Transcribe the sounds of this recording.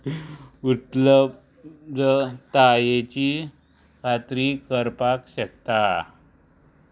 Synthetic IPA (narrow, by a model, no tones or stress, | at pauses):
ut̪ləp̚ | dət̪ajet͡ɕi | kat̪ɾikəɾpakɕek̚t̪a